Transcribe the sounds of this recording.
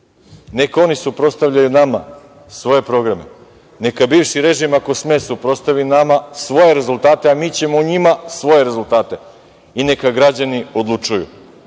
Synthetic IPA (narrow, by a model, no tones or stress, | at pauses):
ne̞ko̞nisupɾo̞t̪st̪aʋʎajunama | sʋo̞je̞pɾo̞ɡɾamḛ | ne̞kabiːʋʃiɾe̞ʒimako̞smesupɾot̪st̪aʋinamasʋo̞je̞ɾe̞zulˠt̪aːt̪e̞amiːt͡ɕe̞mouɲimasʋo̞je̞ɾe̞zulˠt̪aːt̪e̞ | inekaɡɾad͡ʑanio̞d̪lˠut͡ʂujṵ